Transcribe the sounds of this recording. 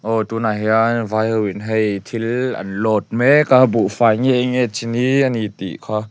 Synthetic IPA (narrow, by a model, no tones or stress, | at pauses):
ʔɔt̪unaɦɛanvajhɯwinɦejt̪ʰilɐ̰nlɔt̪̚mɛkabuʔfajŋɛʔŋɛt͡ʃiniənit̪ḭʔkʰa